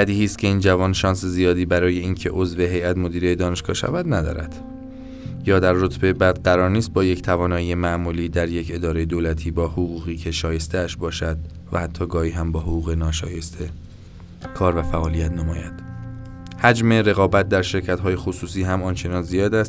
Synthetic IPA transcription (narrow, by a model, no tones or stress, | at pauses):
bæd̪ihiːst̪kcʰe̞iːnd͡ʒævɒːnʃɒːnsezijɒːd̪iːbæɾɒːje̞iːncʰe̞ʔo̞zve̞ɦe̞jæt̪mo̞d̪iːɾejed̪ɒːne̞ʃɡɒːʃæ̰væd̪næd̪ɒ̰ːɾæ̰d̪̥ | jɒːd̪æɾːot̪ʰbebæːd̪ɢæɾɒːɾniːst̪̚bɒːject̪ʰævɒːnɒːijemæmuːliːd̪æɾje̞cʰe̞d̪ɒːɾe̞jed̪oːlæt̪ʰiːbɒːhoɣuːɣiːcʰe̞ʃɒːje̞st̪eæʃbɒːʃæd̪ | væ̰hæt̪ʰːɒːɡɒːhiːɦæmbɒːɦoʁuːɣe̞nɒːʃɒːjest̪ʰe | kʰɒːɾvæfæʔɒːlijæt̪ʰnomɒːjæd̪̥ | hæd͡ʒme̞ɾe̞ɣɒːbæt̪̚d̪æɾʃe̞ɾcʰæt̪ɦɒːje̞xosuːsiːɦæmɒːnt͡ʃʰe̞nɒːnzijɒːd̪æst̪